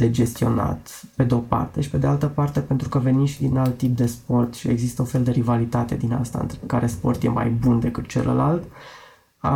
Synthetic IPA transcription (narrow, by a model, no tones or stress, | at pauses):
d̪ed͡ʒe̞st̪io̞na̰t̪pe̞d̪eo̞pa̰rt̪e̞ʃi̥pe̞d̪ealt̪əpart̪e̞pe̞nt̪ɾukəve̞nimʃid̪inalt̪ːip̚d̪e̞spo̞rt̪ʃie̞̰ɡzist̪əũnfe̞ld̪e̞ɾivalit̪at̪e̞d̪ina̰st̪a̰ɨ̰nt̪ɾekaɾe̞spo̞rt̪je̞̰ma̰jbund̪e̞kɨt̪t͡ʃe̞̰lə̰lalt̪ | a